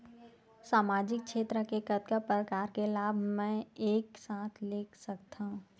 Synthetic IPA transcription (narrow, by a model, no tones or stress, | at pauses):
saːmaːd͡ʒɪk̚ʃeːt̪ɾəkekət̪̚kapɾəkaːɾkelaːbʱmɛ̃eːksaːt̪ʰleːkʰsɐk̚t̪aɦũ